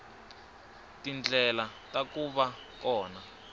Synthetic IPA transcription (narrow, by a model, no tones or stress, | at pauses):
tind͡ɮʱɛlatakuɓa | kɔːna